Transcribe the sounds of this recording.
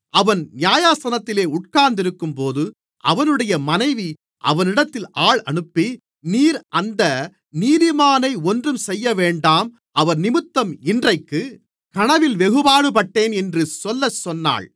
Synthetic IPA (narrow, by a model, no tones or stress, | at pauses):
ʔɐʋɐnnɪjaːjaːsɐnɐt̪ːɪleːʊʈ̚kaːɾnd̪ɪɾɯkːɯmpoːðɯ | ʔɐ̰ʋɐnɯɽɐjɐmɐnɐɪʋi | ʔɐ̰ʋɐnɪɽɐt̪ːɪlʔaːɭɐ̰ɳɯpːi | niːɾʔɐnd̪ɐ | niːðɪmaːnɐɪɔndrɯmsɛjːɐʋeːɳɖaːm | ɐʋɐɾnɪmɯt̪ːɐmɪndrɐɪkːɯ | kɐɳɐʋɪlʋɛɣɯbaːɽɯpɐʈːeːnɛndrɯsɔlːɐsɔnːa̰ːɭ